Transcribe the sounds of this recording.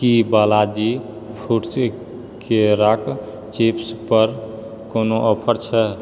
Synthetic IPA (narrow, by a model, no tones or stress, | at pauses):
kibalad͡ʒi | pʰuɾt͡ʃ | keɾak | t͡ʃepspəɾ | konoʔɔpʰəɾt͡ʃʰɛ